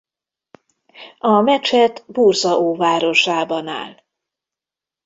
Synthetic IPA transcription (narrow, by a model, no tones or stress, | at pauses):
ɒmɛt͡ʃɛt̪burzɒʔoːvaːɾo̞ʃaːbɒna̰ːl